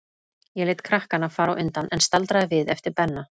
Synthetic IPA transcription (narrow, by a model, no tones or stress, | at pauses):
jɛlɪjt̪kʰɾahkanafaːɾawʔʏnt̪anʔɛnst̪alt̪ɾaðɪvɪðɛft̪ɪɾpɛnːa